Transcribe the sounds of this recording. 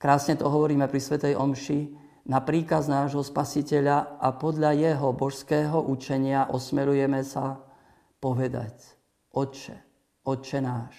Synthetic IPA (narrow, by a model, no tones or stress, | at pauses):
kɾaːsɲɛt̪ɔɦɔʋɔɾiːmɛpɾisʋɛt̪ɛjʔɔmʃi | napɾiːkaznaːʒɦɔspasicɛʎaapɔd̪ʎajɛɦɔbɔʃskɛːɦɔʔut͡ʃɛɲɪaʔɔsmɛɾujɛmɛsa | pɔʋɛd̪a̰c | ʔɔt͡ʃɛ̰ | ɔt͡ʃɛnaːʃ